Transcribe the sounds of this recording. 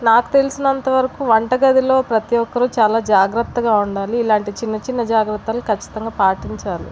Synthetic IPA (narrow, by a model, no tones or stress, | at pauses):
naːku̥t̪e̞lusinɐnt̪ɐʋɐɾɐkuʋɐɳʈɐɡɐd̪ilo̞ːpɾɐt̪ijɔkːɐɾut͡ʃaːlaːd͡ʒaːɡɾɐt̪ːɐɡaːuɳɖaːliːlaːɳʈit͡ʃinːɐt͡ʃinːɐd͡ʒaːɡɾɐt̪ːɐlukɐt͡ʃːi̥t̪ɐŋɡaːpaːʈiɲt͡ʃaːlḭ